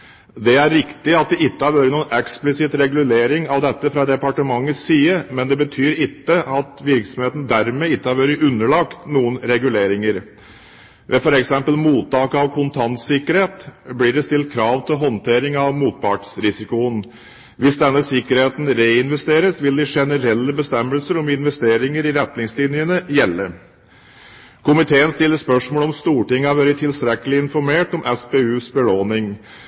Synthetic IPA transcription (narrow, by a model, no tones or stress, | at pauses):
d̪ɛæɾːɪkt̪ɪɑt̪̚d̪ɛɪt̪ːəhɑɾʋøːɾənuːnɛksplɪsɪt̪ɾɛɡʉleːɾɪŋɑʋd̪ɛt̪ːəfɾɑd̪ɛpɑʈəmɑŋːəsiːəmɛnd̪ɛbət̪ʰyːɾɪt̪ːəɑt̪ʋɪɾksɔmheːt̪n̩d̪æɾmeːɪt̪ːəhɑɾʋøːɾəʔʉnːəɭɑkt̪nuːənɾɛɡʉleːɾɪŋəɾ | ʋʔɛfɔɾɛksɛmpəlmuːt̪ːɑːkəɑʋkʰʊnt̪ʰɑnt̪sɪkːəɾheːt̪bliːɖɛst̪ɪlt̪̚kʰɾɑːʋt̪ʰɪlɦɔnt̪ʰeːɾɪŋɑʋmuːt̪̚pɑʈsɾɪsɪkʊən | ʋɪsd̪ɛnːəsɪkːəɾheːt̪nɾeːɪnʋɛst̪eːɾəsʋɪld̪ɪʂɛnəɾɛlːəbəst̪ɛmːəlsəɾɔmɪnʋɛst̪eːɾɪŋəɾɪɾɛt̪nɪŋslɪnjənəjɛlːə | kʰʊmɪt̪ʰeːənst̪ɪlːəspœʂmoːlɔmst̪uːʈɪŋːɑʋæːɾət̪ʰɪlst̪ɾɛkːəlɪɪnfɔɾmeːʈɔmʔɛspeːʉːsbəloːnɪŋ